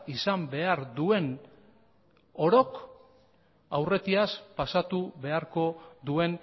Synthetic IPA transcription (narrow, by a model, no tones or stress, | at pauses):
isambe̞aɾd̪ue̞n | o̞ɾo̞k | awre̞t̪iaspasat̪uβe̞aɾko̞ðue̞n